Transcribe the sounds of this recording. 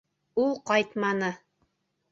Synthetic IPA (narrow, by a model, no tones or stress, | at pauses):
ulˠqɑjt̪mɑnɤ